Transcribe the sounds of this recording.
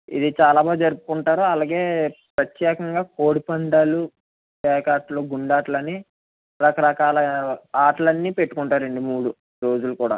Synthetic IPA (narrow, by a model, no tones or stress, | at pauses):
ḭd̪it͡ʃaːlaːbaːd̪ud͡ʒɐɾupukuɳʈaːɾuɐlaːɡe̞ːpɾɐt̪jɛːkɐŋɡaːko̞ːɽipɐɳɖ̪aːlu | tɛːkaːʈloːɡuɳɖaːʈlɐnːi | ɾɐkɐɾɐkaːlɐaːʈlɐnːiːpe̞ʈːu̥kuɳʈaːɾeɳɖumuːɽu | ɾo̞ːd͡ʒulukuːɽa̰ː